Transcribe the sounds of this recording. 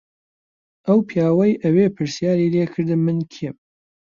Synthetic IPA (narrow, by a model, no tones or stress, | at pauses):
ʔɐwpʰijaːwɐjʔɐweːpʰɨɾsjaːɾileːkʰɨɾd̪ɨmɨnkʰem